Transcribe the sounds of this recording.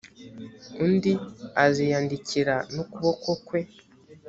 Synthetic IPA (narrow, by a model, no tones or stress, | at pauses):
undiazijaːndiciɾanokuβokokwe̞